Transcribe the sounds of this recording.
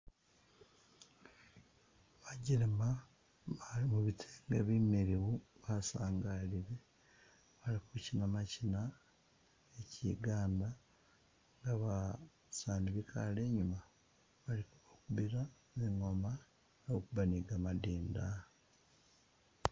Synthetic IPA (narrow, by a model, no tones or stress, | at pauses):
βaɟiɾema | imuβitʰeŋɡeβimeɾiwuβasaːŋɡaliɾe | βalikucinamacina | ecḭɡaːnda | ŋɡaβa | saːniβikʰale̞ːɲuma | βalikuokuβiɾa | ziŋoma | nokuβaniɡamadiːnda